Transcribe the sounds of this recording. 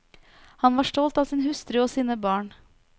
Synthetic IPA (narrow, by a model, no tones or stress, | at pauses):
hɑnʋɑːʃʈɔlt̪ɑːsiːnhʉst̪ɾʏoːsiːnəbɑːɳ